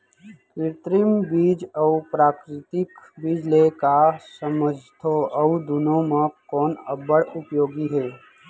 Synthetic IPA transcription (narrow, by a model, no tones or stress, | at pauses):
kɾɪt̪ɾɪmbiːd͡ʒəupɾaːkɾɪt̪ɪkbɪd͡ʒlekasəməd͡ʒʱt̪ʰoəud̪ʊnõmãkɔːnɐbəɽʊpjoːɡiɦɛː